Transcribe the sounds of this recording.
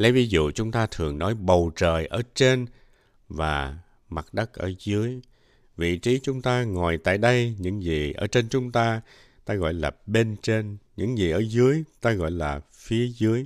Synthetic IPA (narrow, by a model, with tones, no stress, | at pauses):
le˨˦jvi˨˦zṵ˧˨t͡ɕʊ˨˦ŋ͡mt̪aː˧t̪ʰɨ˨˩əŋnɔ˨˦jɓə˨˩wt͡ɕəː˧˨˩jʔəː˧˩t͡ɕe˧n | vaː˨˩ | ma˨˩t̚ɗə˦˥k̚ʔəː˧˩zɨ˨˦əj | vḭ˧˨t͡ɕi˨˦t͡ɕʊ˨˦ŋ͡mt̪aː˧ŋɔ˨˩jt̪a̰ː˧˨jɗə˧jɲɨ̰˧˥ŋzi˨˩ʔəː˧˩t͡ɕe˧nt͡ɕʊ˨˦ŋ͡mt̪aː˧ | t̪aː˧ɣɔ̰˧˨jlaː˨˩ɓe˧nt͡ɕe˧nɲɨ̰˧˥ŋzi˨˩ʔəː˧˩zɨ˨˦əjt̪aː˧ɣɔ̰˧˨jlaː˨˩ | fi˨˦əzɨ˨˦əj